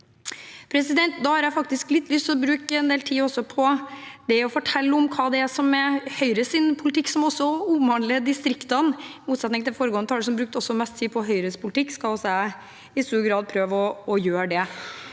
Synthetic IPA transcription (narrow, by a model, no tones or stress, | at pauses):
pʰɾɛsɪd̪ɛnt̪d̪ɑːhɑɾjæfɑk̚t̪ɪsklɪt̪ʰːlʏst̪ɔbɾʉːkəɛnd̪eːlt̪ʰiːɔsːɔpʰɔd̪̥ɛɔfɔʈʰɛlːɔmkʰɑːd̪ɛæsɔmːɛhœʏɾəsɪnpʰʊlɪt̪ʰɪkːsɔmɔsːɔuːmɑnləd̪ɪst̪ɾɪkt̪ɑnmuːt̪sɛt̪nɪŋt̪ʰɪlfoːɾəɡoːnt̪ʰɑləʂ̬sɔmbɾʉːk̚t̪ɔsːɔmɛst̪ʰːiːpʰɔɦœʏɾəspʰʊlɪt̪ʰɪkːskɑlɔsæ | ɪst̪uːɾɡɾɑːd̪̚pʰɾøːʋɔɔjøːɖɛ